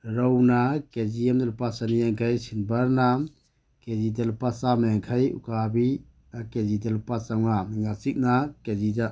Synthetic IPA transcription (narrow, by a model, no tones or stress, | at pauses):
ɾɔwnakeziemdelupasanijaŋkʰajsinbaɾnam | kezidelupasamajaŋkʰajṵkabi | akezidelupasawnamiŋasik̚nakeziza